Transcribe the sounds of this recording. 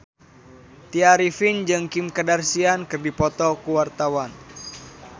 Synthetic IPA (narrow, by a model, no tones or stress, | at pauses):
t̪iaɾifind͡ʒɨŋkimkədarsiankɨrdipɔt̪ɔkuwart̪awan